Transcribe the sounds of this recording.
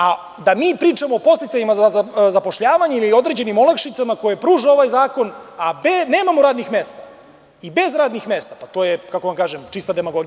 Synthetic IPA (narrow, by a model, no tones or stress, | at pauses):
a | d̪amiːpɾiːt͡ʃamoːpo̞st̪it̪saʎimazazazapo̞ʃʎaːʋaɲeiliio̞d̪ɾe̞d͡ʑe̞nimolakʃit̪samako̞jepɾuːʒeo̞ʋajzaːko̞nabene̞ːmamoɾaːd̪nixme̞ːst̪a | ibe̞zɾaːd̪nixme̞ːst̪apat̪ojekako̞ʋamkaːʒemt͡ʃist̪ad̪e̞maɡo̞ɡi